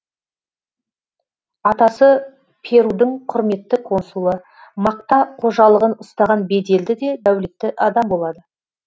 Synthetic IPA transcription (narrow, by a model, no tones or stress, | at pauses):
ɑt̪ɑsə | pʰe̞ɾud̪ɪɴqʰʊɾme̞t̪ːɪkʰo̞nsulˠə | mɑq̚t̪ɑqʰo̞ʒɑlˠəʁənʊst̪ɑʁɑnbe̞d̪e̞ld̪ɪd̪e̞d̪æwle̞t̪ːɪʔɑd̪ɑmbo̞lˠɑd̪ə